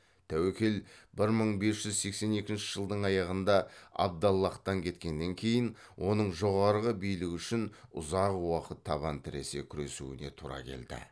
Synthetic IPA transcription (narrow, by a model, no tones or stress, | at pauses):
t̪ʰæwekʲe̞lbɪɾməɴbe̞sʒ̥ʏzse̞kse̞ne̞kʲɪnʃɪ̥ʒ̥əlˠd̪əɴɑjɑʁənd̪ɑɑ̰b̚d̪ɑlˠːɑqt̪ɑŋkʲʰe̞t̪kʲe̞nːe̞ŋkʲʰe̞jɪn | wʔo̞nəɴʒo̞ʁɑɾʁəbijlɪɡʲʏʃɪnʊ̰zɑqwɑqət̪ʰːɑβɑnt̪ʰɪɾe̞se̞kʲʰʏɾe̞sṵɪ̰ne̞t̪ʰuɾɑ̰kʲʰe̞̰ld̪ɪ̰